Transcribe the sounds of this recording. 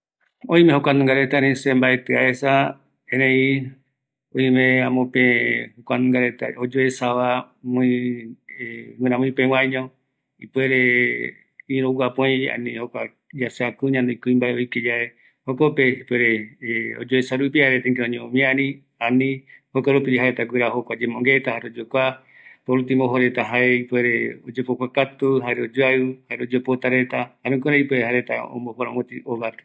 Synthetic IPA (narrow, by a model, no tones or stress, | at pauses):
õĩmẽhokʷanũŋɡaɾet̪aɾĩsẽmbaet̪eaesa | ẽɾ̃ẽĩ | õĩmẽãmõpẽhokʷanũŋɡaɾet̪a̰od͡ʒoʔesaʋa | mõĩ | mɨ̃ɾãmõĩpẽw̃ãɲõ | ipweɾe | ĩɾowʷapõj̃a̰nĩhokʷa | d͡ʒaseakuɲãnd̪eikuĩmbaeojked͡ʒae | hokopeipweɾeo̰d͡ʒoesaɾupihaɾet̪aiŋk̬eõɲẽõmĩãɾĩ | anĩhokʷaɾupid͡ʒɦaɾet̪aɡɨɾahokʷad͡ʒemõŋɡet̪ahaɾeod͡ʒokʷa | poɾut̪ĩmoɦoɾet̪aɦaeipweɾe̞od͡ʒepokʷakat̪uɦaɾeod͡ʒoahaɾeod͡ʒopot̪aɾet̪ahaɾẽŋkõɾaipweɾeɦaɾet̪aõ̰mbopoɾãwõt̪iʔoβat̪